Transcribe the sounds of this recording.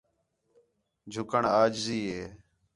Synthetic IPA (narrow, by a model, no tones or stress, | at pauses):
d͡ʒʱʊkəɳaːd͡ʒziːɦeː